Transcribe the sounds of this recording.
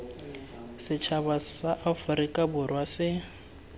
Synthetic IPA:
sɪt͡ʃʰabasaʔafʊɾikʼabʊrwasɪ

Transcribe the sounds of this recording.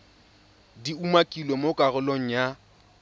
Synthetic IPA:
diumakʼilɔmokʼaɣʊloŋ̩ja

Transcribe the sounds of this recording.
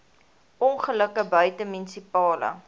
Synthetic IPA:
ʔɔnχələkəbœɥtəminsipɑːlə̰

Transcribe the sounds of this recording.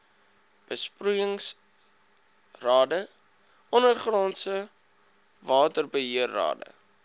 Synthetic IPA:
b̥əsprujəŋs | rɑːdə | ɔnərχrɑːnsə | vɑːtərbəɦiərːɑ̰ːdə̰

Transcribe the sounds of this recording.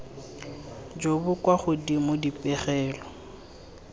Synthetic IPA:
d͡ʒobʊkʼwaχʊdimʊdipʼɛχɛːlɔ

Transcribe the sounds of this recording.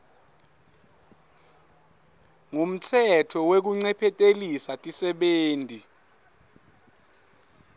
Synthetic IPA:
ŋum̩tʰɛtʰɔwek̬uŋ͡ǀɛpʰɛtʼelisatʼisɛɓeːntʼi

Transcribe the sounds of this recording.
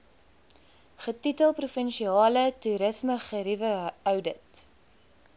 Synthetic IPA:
χətitəlˠprufənʃiɑːlətuɾəsməχəɾivəœwdət

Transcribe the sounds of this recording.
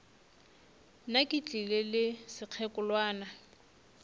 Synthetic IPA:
nakʼɪt͡ɬʼilɪlɪsɪq͡χʰɛkʼʊlwaːna

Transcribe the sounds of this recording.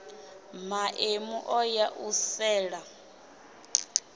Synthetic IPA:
maʔemuʔɔjaʔusɛːɺa

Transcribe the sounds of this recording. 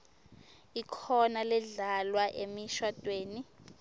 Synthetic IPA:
ikʰɔnalɛɮalwaʔemiʃwad̥ʼʱweːni

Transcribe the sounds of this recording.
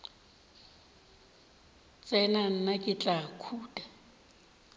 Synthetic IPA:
t͡sʼɛnan̩nakʼɪt͡ɬʼakʰuːtʼḁ

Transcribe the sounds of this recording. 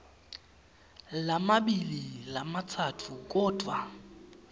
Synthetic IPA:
lamaɓililamatʰatʰuk̬ɔːd̥ʱwa

